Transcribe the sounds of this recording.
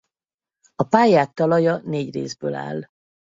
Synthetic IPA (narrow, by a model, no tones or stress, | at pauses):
ɒpaːjaːk̚t̪ɒlɒjɒneːɟrḛːzbøːla̰ːl